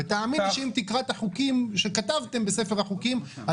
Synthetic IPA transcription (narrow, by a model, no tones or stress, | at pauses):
et̪aːminʃeimt̪ikʁat̪aχukimʃe̞kat̪avt̪e̞mbe̞se̞fe̞ʁaχukim | a